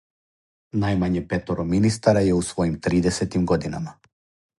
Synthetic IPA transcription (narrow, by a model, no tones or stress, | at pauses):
najmaɲɛpɛt̪ɔɾɔminis̬t̪aɾajɛusvɔimt̪ɾid̪ɛsɛt̪imɡɔd̪ina̰ma